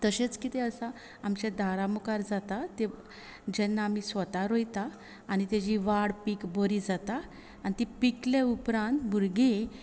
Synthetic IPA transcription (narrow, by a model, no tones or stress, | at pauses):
t̪əɕet͡skit̪eəsa | amt͡ɕed̪ʱaɾamukaɾd͡zat̪at̪e | d͡ʑɛnːaːm̤isʋət̪aɾojt̪aː | ñit̪ed͡ʑiʋaɽpikboɾid͡zat̪aː | nit̪ipikleupɾãnt̪bʱuɾɡe